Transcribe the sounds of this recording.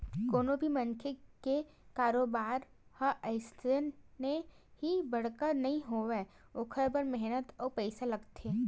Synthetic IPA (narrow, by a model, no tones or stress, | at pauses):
koːnõbʱimɐnkʰeke | kaːɾoːbaːɾ | hɐʔɐɪst̪ənːe | ɦibɐɽ̤kənɐɦĩɦoʋe | oːkʰəɾbəɾmɛɦnət̪ɔːpɛɪsalɐɡt̪eː